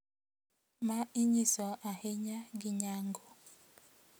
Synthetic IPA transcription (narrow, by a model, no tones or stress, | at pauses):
maiɲisɔʔaheɲaɡɪɲaŋɡo